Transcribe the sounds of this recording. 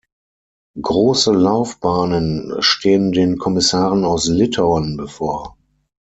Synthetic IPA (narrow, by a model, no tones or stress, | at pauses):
ɡʁoːsəlaʊfb̥aːnənʃtʰeːəndeːnkʰɔmɪsaːʁənaʊslɪtʰaʊɔnbəfoːɐ